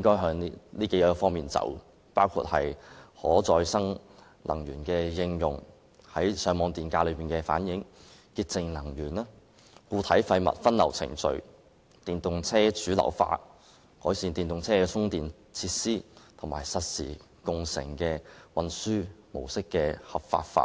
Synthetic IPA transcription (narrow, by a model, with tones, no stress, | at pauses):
jɪ˥ŋkɔː˥jɦœː˧ŋi˥liː˥ke˨˥jə˥fɔː˥ŋmiː˨˩nt͡sɐ̰˨˥w | paː˥wkʰṵ˧t̚hɐ˨jhɔː˨˥t͡sɔː˧jsɐ˥ŋ | lʔɐ̰˨˩ŋjyː˨˩nkɛː˧jɪ˧ŋjʊ̰˨˩ŋ | hɐ˨˥jsœː˨˥ŋmɔː˨˧ŋt̪iː˨˩nkaː˧lɵ˨˧ɥpiː˨˩nkɛː˧fa̰ː˨˥njɪ˨˥ŋkiː˧t̚t͡sɪ˧ŋlɐ˨˩ŋjyː˨˩naː˥ | kuː˧t̪ʰɐ˨˥jfɐ˧jmɐ̰˨t̚fɐ˥nlɐ˨˩wt͡sʰɪ̰˨˩ŋt͡sɵ̰˨ɥ | t̪iː˨nt̪ʊ˨ŋt͡sʰɛː˥t͡syː˨˥lɐ̰˨˩wfa̰ː˧t̚ | kɔː˨˥jsiː˧nt̪iː˨nt̪ʊ˨ŋt͡sʰɛː˥ɛ˧t͡sʰʊ˥ŋt̪iː˨n | t͡sʰiː˧t̚siː˥t̪ʰʊ˨˩ŋmaː˨˩jsɐ˨t̚sḭː˨˩ | kʊ˨˩ŋsɪ̰˨˩ŋkɛː˧wɐ˨nsyː˥mo̰˨˩wsɪ˥kːɛː˧hɐ˨p̚fa̰ː˧t̚fa̰ː˧t̚